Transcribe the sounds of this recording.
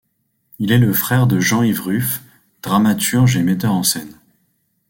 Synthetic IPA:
ilɛləfχɛʁd̪əʒɑ̃ivʁyf | d̪̥ʁamat̪ʰyʁʒemɛt̪œʁɑ̃sɛn

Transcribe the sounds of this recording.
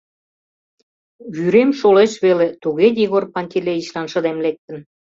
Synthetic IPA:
βyɾemʃoleʃβelet̪uɣediɣorpɑnʲt̪ʲileit͡ɕlɑnʃə̆d̪emlek̚t̪ə̆n

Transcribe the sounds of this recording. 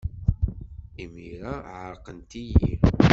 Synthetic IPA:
imiɾaʕəɾˤqənt̪ijḭ

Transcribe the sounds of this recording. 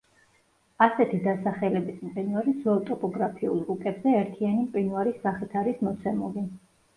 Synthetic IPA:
asɛt̪ʰid̪asaχɛlɛbismqʼinuaɾizualt̪ʼɔpʼɔɡɾapʰiulˠukʼɛbzɛːɾt̪ʰianimqʼinuaɾisaχit̪ʰaɾismɔt̪sʰɛmuli

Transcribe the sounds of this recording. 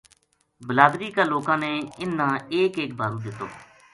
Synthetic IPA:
bəlaːd̪ɾiːkaːloːkãːneːɪnːãːeːkeːk̚bʱaːɾuːd̪ɪt̪ːo̰ː

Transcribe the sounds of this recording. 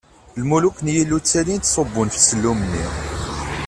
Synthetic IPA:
lmuluknjilːut͡sːælint̪sˤobːʊnfsəlːumənːi

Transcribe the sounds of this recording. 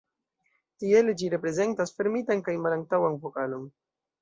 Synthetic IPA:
tield͡ʒiɾe̞pɾe̞ze̞ntasfeɾmitankajmalaŋk̚tawanvokalo̞n

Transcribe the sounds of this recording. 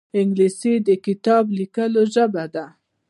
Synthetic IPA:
ɪŋɡlisid̪əkɪt̪ɑblikəloʒəbad̪a

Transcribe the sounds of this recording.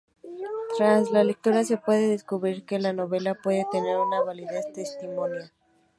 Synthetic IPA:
t̪ɾazlalek̚t̪uɾase̞pwe̞ðeðe̞skuβɾiɾke̞lano̞β̞e̞lapwe̞ðe̞t̪e̞ne̞ɾunaβaliðe̞st̪e̞st̪imõ̞nja

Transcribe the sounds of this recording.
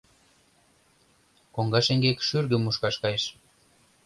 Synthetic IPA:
koŋɡɑʃeŋɡekʃyrɣə̆muʃkɑʃkɑjeʃ

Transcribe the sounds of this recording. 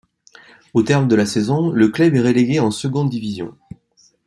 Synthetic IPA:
ot̪ɛʁmd̪əlasɛzɔ̃ləklœbɛʁeleɡʲeɑ̃səɡɔ̃d̪̚d̪ːivizjɔ̰̃

